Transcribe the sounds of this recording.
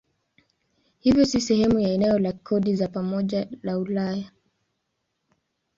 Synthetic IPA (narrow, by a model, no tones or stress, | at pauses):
hivjɔsisɛhɛmujaɛnɛɔlakʰɔɗizapamɔʄalaulaja